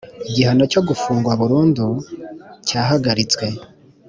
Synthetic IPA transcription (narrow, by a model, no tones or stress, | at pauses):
iɟihanaco̞ɡufuːŋɡwaβuɾuːndu | caːɦaɡaɾit͡swe̞